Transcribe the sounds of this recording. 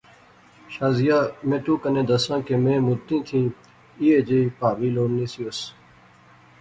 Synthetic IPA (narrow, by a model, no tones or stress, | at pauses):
ʃaːzijaːmẽːʈ̪uːkənẽːd̪əsãːkeːmẽːmut̪ːĩːt̪ʰĩː | iːed͡ʒepaːʋiːloːnːiːsios